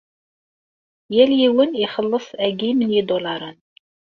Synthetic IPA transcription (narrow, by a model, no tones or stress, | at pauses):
jæljiwəniχəlːəsˤæɡimənjid̪ˤolɑɾˤən